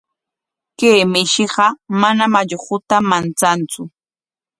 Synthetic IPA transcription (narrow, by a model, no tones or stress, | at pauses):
keːmɪʃɪɢɑmanamaʎχʊt̪amant͡sant͡sʊ